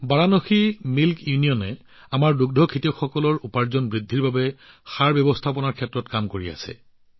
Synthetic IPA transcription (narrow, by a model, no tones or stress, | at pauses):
baɹanɔximilkjunijɔnɛ | amaɹduɡ̚dʱɔkʰitixɔkɔlɔɹupaɹzɔnbɹidʱːiɹbabɛ | xaɹbjɔbɔstʰapɔnaɹkʰɛtɹɔtkamkoɹia̰sɛ̰